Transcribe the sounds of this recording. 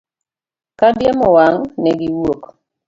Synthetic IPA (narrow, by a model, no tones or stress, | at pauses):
kadjemɔwaŋnɛɡiwok